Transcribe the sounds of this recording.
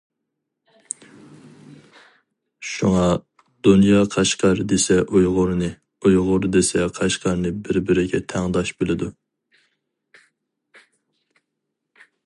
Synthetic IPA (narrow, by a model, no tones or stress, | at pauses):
ʃuŋɑ | d̪̥unjɑːqʰæʃqɑɾd̪esɛʔujʁʊɾnɨ | ujʁʊɾd̪esɛqʰæʃqʰɑɾnɨbɪɾbɪɾɪɡʲɛt̪ʰæŋd̪ɑʃbɪlɪd̪u